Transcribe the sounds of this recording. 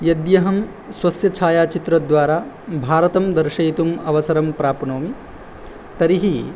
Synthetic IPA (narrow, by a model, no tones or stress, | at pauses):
jɐd̪jɐɦɐm | swɐsjɐt͡ʃʰaːjaːt͡ʃit̪ɾɐd̪ʋaːɾaː | bʱaːɾɐt̪ɐmd̪ɐɾʃɐjt̪umɐʋɐsɐɾɐmpɾaːpɐnoːmi | t̪ɐɾiɦi